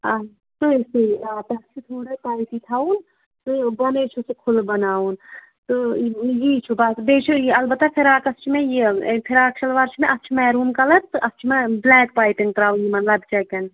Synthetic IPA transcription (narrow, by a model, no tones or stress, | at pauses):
a | t̪oseaːt̪ɐst͡ʃʰut̪ʰoːɽɐp̪aːjt̪it̪ʰaːun | t̪obɐnet͡ʃʰusekʰʊlbɐnaːun | t̪ojit͡ʃʰubasbeːt͡ʃʰuiɐlbɐt̪ːapʰɪɾaːkɐst͡ʃʰimejepʰiɾaːk̚t͡ʃʰɐlʋaːɾt͡ʃʰmeʔɐst͡ʃʰumɛːɾuːmkɐlɐt̪ʔɐst͡ʃʰmeblɛːk̚paːɪʈiŋɡt̪ɾaːujimɐt̪lɐbt͡ʃɛkɐn